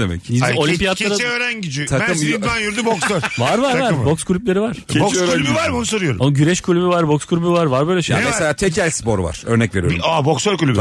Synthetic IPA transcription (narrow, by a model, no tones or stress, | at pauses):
d̪emɛ̰cizolʲimpijat̪ˠaɾaɛøɾænɟid͡ʒit̪ʰakɯmyɾanjyɾd̪yboksøɾvaɾvaɾvaɾbokskʰulʲyplʲe̞ɾivaɾ̥ʰebot͡ʃɛːɾlʲybvaɾbonusoɾɯjo̞ɾṵonɟyɾɛʃkʰulʲybyvaɾbokskʰulʲybyvaɾvaɾbøjlʲɛʃja̰mɛselʲaːt̪ʰɛcʰælʲspo̞ɾva̰ɾ̥øɾnɛcve̞ɾijo̰aboksøɾkulʲyb